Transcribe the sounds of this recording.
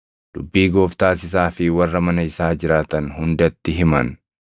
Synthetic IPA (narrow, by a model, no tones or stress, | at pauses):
d̪̥ʊbːiːɡo̞ːft̪aːsɪs̬aːfɪwɐrːɐmɐnɐɪsaːd͡ʒɪɾaːt̪ɐnhʊnd̪ɐt̪ːɪɦɪmɐ̰n